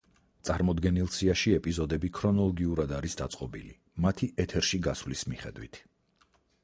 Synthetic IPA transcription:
t̪sʼaɾmɔd̪ɡɛnilˠsiaʃiɛpʼizɔd̪ɛbikʰɾɔnɔlˠɔɡiuɾad̪aɾisd̪at̪sʼqʼɔbili | mat̪ʰiʔɛt̪ʰɛɾʃiɡasvlismiχɛ̰d̪wḭt̪ʰ

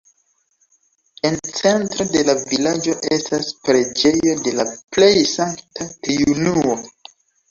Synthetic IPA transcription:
e̞nt͡se̞ntɾo̞de̞lavilad͡ʒo̞ʔe̞staspɾe̞d͡ʒe̞jo̞de̞laple̞jsaŋktʰaɾiunuo

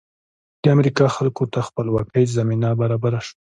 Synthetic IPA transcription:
d̪̥əamɾikɑxalkot̪axpəlwɑkazaminabaɾɑbaɾaʃwa

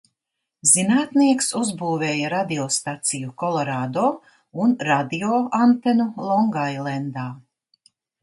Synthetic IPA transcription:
zinaːt̪niɛksuzbuːveːjaɾad̪ioːst̪at̪sijukɔlˠɔɾaːd̪oː | unɾad̪ioːant̪ɛnulˠɔŋɡajlˠɛnd̪aː

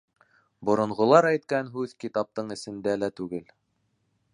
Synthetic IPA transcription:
bŏɾŏɴʁŏlˠɑɾæjt̪kænɦʉðkit̪ɑp̚t̪ɤɴɘ̆sɘ̆nd̪ælæt̪ʉɡɘl

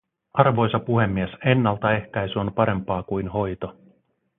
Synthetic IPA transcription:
ɑrʋo̞jsɑpuɦe̞mːiese̞nːɑlt̪ɑe̞hkæjsyonpɑɾe̞mpɑːkujnho̞jt̪o̞

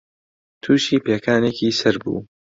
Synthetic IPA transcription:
t̪ʰuːʃiːpeːkʰaːneːkiːsɐɾbṵː

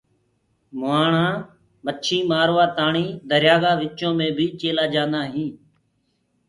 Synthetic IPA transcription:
mʊaːɳãː | mət͡ʃʰĩːmaːɾʋaːt̪aːɳiːd̪əɾjaːɡaːʋɪt͡ʃõːmẽːbʱiːt͡ʃeːlaːd͡ʒãːnd̪aːɦĩː

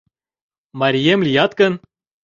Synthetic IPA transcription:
mɑɾʲijemlʲijɑt̪̚kən

